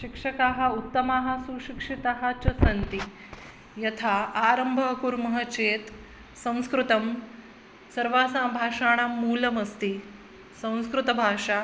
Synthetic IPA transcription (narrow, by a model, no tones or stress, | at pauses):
ʃikʂɐkaɦaut̪ːɐmaɦasuɕikʂit̪aɦat͡ɕɐsɐnt̪i | jɐt̪ʰaaɾəmbʱɐkuɾmɐɦət͡ɕeːt̪ | sɐ̃w̃skɾut̪ɐm | sɐɾʋaːsãbʱaːʂaːɽ̃amuːlɐmɐst̪i | sɐ̃w̃skɾut̪ɐbʱaːʂa